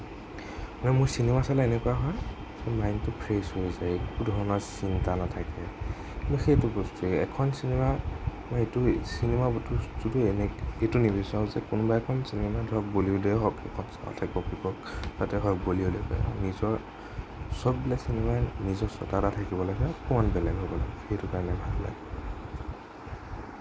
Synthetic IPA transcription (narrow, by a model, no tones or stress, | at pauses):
manɛmʊɹsinemasalɛenɛkuaɦɔj | zɛmajntʊpʰɹeshojzajekudʱɔɹɔnɔɹsintanatʰakɛ | mɔxejtubɔstuɛ̰kʰɔnsinemamɔjetʊsinemabtutudʊenɛbetunibisaʊ̃zɛkunbaɛkʰɔnsinɛmadʱɔk̚boliudɛɦɔkɛ̰kʰɔnsa̰ɔ̰tʰakibɔpikɔk̚zatɛɦɔjkboliolepa̰ja̰nizɔɹ | sɔbbilasinɛmanizɔsɔ̰tatatʰakibɔlaɡɛkʊɔnbɛlɛnɦobɔla̰ɡɛxejtukaɹɔnɛbʱalla̰ɡɛ